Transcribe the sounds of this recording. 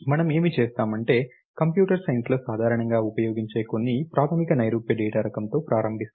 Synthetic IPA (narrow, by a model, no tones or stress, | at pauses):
mɐnɐme̞ːmit͡ʃeːst̪aːmɐɳʈe̞ː | kɐmpjuːʈɐɾsɐjɐnsloːsaːd̪ʱaːɾɐɳɐŋɡaːupɐjo̞ːɡiɲt͡ʃe̞ːko̞nːipɾaːt̪ʰɐmikɐnɐjɾuːpjɐɖiːʈaːɾɐkɐmt̪o̞ːpɾaːɾɐmbʱist̪